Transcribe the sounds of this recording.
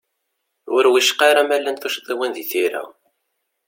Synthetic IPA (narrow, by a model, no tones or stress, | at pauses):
ʊ̰ɾwiʃqːɑɾˤamælːænθuʃðˤiwænðiθiɾæ̰